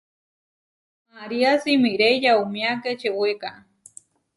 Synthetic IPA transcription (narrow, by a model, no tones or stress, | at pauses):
maɾiasimiɾejjaumiaket͡ʃeweka